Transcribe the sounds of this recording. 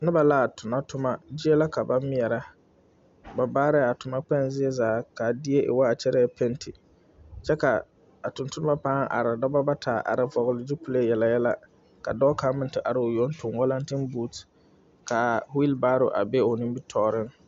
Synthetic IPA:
nɪ˦ba˨laː˦˨tʰʊ˨na˦tʊ˦ma˦d͡ʒɪ˦e˦la˦ka˨ba˦mɪ˦ɛ˨ɾa˦ | ba˨baː˦ɾɛ˦˨a˨tʊ˨ma˦k͡pɛ˦nzɪ˦e˦zaː˨˦ka˨dɪ˦e˦ʔɪ̰˨wa˦a˨t͡ʃɛ˦ɾɛ˦pʰɛ˦ntʰi˨ | t͡ʃɛ˦ka˨ | a˨tʊ̃˨ntʊ˦nʊ˦ma˦paː˦ŋʔa̰˨ɾɪ˨dɔ˦ba˦ba˦tʰaː˨ʔa̰˨ɾɪ˨vɔ˨ɣʊ˨lɪ˨˦di˦pu˦le˦˨jɛ˨la˨jɛ˦la˦ | ka˨dɔː˦ka˦mɪ̃˨ntɪ˨ʔa˨ɾɪ˨ʊ˨jo˨˦n˦tʰʊ˨nwɔ˦la˦ntɪ˦nbu˦t | ka˨hʊ˦i˦lbaː˦ɾo˨ʔa̰˨be˦o˨nɪ̃˦mbi˦tʰɔː˦ɾɪ˦ŋ

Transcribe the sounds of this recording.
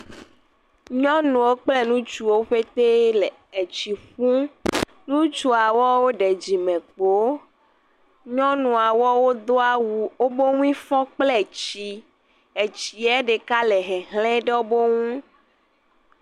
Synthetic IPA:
ɲɔ̃˦nũ˨wo˦k͡ple˦nũ˦t͡ʃu˨wo˦ɸe˦t̪e˦le˨ | e˨t͡ɕi˨ɸũ˦ | nũ˦t͡ʃu˦a˨wɔ˦wo˦ɖe˨d͡ʑi˨mɛ̃˨k͡po˦ | ɲɔ̃˦nũ˨a˨wɔ˦wo˦d̪o˦a˨wu˨wo˦bo˦ŋũ˦ĩ˦fɔ̃˦k͡ple˦˨t͡ɕi˨ | e˨t͡ɕi˨ɛ˦ɖe˨ka˦lɛ˨ɦɛ˨ɦlɛ̃˦ɖe˦wo˦bo˦ŋũ˦

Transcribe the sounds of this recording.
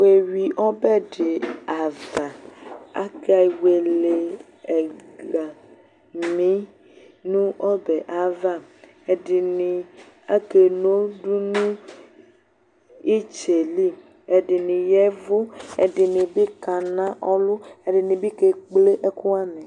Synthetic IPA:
we˨wi˨ʔɔ˦bɛ˦ɖe˨a˨va˨a̰˦ka˨i˨we˨le˨ | ɛ˨ɡa˨ | mĩ˦ | nũ˦ɔ˦bɛ˨ʔa˨va˦ | e˨ɖɪ˨nĩ˨ | a˦ke˨no˦ɖu˦nũ˦ | i˦t͡ʃe˨li˦ | e˨ɖi˨nĩ˨jɛ˦vu˦e˨ɖɪ˨nĩ˨bi˦ka˨nã˦ʔɔ˦lʊ˦e˨ɖɪ˨nĩ˨bi˦ke˨k͡ple˦ʔe˦ku˦a˦mẽ˨

